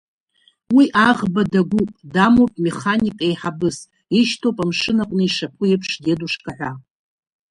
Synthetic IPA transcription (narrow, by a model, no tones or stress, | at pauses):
wiʔaʁbadaɡʷupʼdamopʼme̞χanikʼejħabɨs | iʃtʰowpʼamʂɨnaqʷʼnɨiʂap̚ʷʰʊepʰʂdeduʂkʼaʕʷa